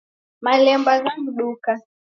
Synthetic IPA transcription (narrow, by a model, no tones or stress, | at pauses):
malɛmbazaŋuɗuka